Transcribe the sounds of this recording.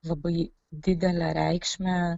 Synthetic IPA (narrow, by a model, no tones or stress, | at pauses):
lˠɐbɐɪ | d̪ʲɪd̪ʲɛlʲæɾʲɛɪkʃʲmʲɛ